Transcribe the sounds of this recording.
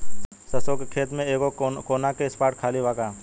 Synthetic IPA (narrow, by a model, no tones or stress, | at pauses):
səsokekʰeːt̪mẽeːkokoːnakeɪspaːʈkʰaːliʋaːkaː